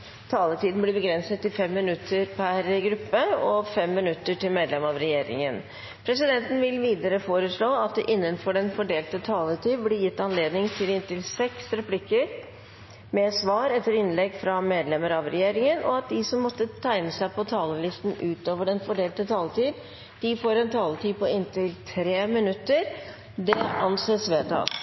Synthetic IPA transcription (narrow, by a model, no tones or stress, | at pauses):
t̪ʰɑːlət̪iːd̪nblɪbəɡɾɛnsət̪ːɪfɛmːɪnʉt̪ʰːəɾpʰæɾɡɾʉpːəɔfɛmːɪnʉt̪ːəʈɪlmeːd̪lɛmɑʋɾɛjeːɾɪ̰ŋən | pʰɾɛsɪd̪ɛnt̪n̩ʋɪlʋiːd̪əɾəfoːɾəʂɭoːɑt̪̚d̪ɛʔɪnːənfɔɖɛnfɔɖeːlt̪ət̪ʰɑːlət̪ʰiːd̪blɪɾjɪt̪ːɑnleːd̪nɪŋt̪ʰɪlɪnt̪ɪlsɛksɾɛpʰlɪkːəɾ | mɛsʋɑːɾɛt̪ːəɾɪnlɛɡfɾɑmeːd̪lɛməɾɑʋɾɛjeːɾɪŋənʔɔ̰ɑt̪̚d̪ɪsɔmːɔt̪ːət̪ʰæɪnəsæɪpʰɔt̪ʰɑːləlɪst̪n̩ʉːt̪oːʋəɖɛnfɔɖeːlt̪ət̪ʰɑːlət̪iːd̪ | d̪̥ɪfoːɾɛnt̪ʰɑːlət̪ʰiːpɔɪnt̪ɪlt̪ʰɾeːmɪnʉt̪ːəɾ | d̪ɛɑnseːsʋeːt̪ʰɑ̰l